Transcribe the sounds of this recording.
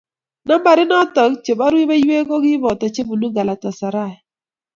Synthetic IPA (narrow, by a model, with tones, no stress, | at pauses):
na˦mba˨ɾɪ˦nɔ˦tɔ˨˦kt͡ʃe˨ba˦ɾwi˦ba˦jwe˦kɔ˦ɡɪ˦bɔ˨tɔ˨t͡ʃe˦bu˨nu˦ɡa˨la˨tɔ˨sa˨ɾa˦˨ɛ˨